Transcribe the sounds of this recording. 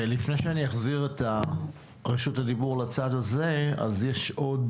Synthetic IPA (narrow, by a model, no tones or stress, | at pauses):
lifne̞jʃeanijaχziʁeta | ʁeʃuthad̪ibuʁlat͡sadaze̞a̰zjeʃʔo̞d